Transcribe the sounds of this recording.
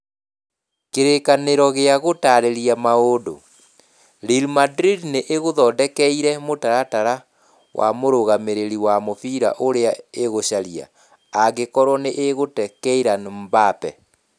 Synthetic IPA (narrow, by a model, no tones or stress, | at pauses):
keɾekaneɾɔɣeaɣotaɾeɾiamaodo̰ | ɾilmadɾidneʔeɣoðɔdɛkɛiɾɛmotaɾataɾa | wʔa̰moɾoɣameɾeɾiwamofiɾa̰ʔoɾeaeɣoɕaɾia̰ | aɣekɔɾwɔneʔeɣotɛkɛiɾanmbapɛ